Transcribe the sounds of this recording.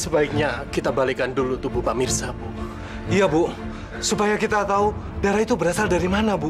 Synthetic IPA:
səbaik̚ɲakit̪abalikandulut̪ubupamirsabuʔ | ijabʊ | supajakit̪at̪au | daɾait̪ubəɾasaldaɾimanabu

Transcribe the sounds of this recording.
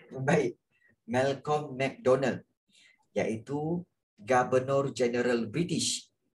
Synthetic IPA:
baiʔ̚ | mɛlkɔmːɛk̚dɔnal | ja̰ʔit̪u | ɡabənɔrd͡ʒɛnəɾalbɾit̪iʃ

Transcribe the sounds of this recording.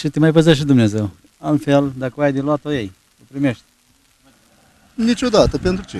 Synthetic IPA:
ʃit̪imajpezaʃ̬id̪umnezew | alfeld̪akəajd̪iluat̪ojej | epɾimeʃt̪̚ʲ | nit͡ʃod̪at̪əpent̪ɾut͡ʃ̪i

